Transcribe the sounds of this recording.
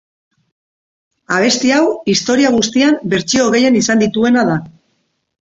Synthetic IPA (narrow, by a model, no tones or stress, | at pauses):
aβ̞e̞st̪iawist̪o̞ɾiaɣ̞ust̪iambe̞ɾt͡ʃio̞ɣe̞je̞nisand̪it̪ue̞nað̞a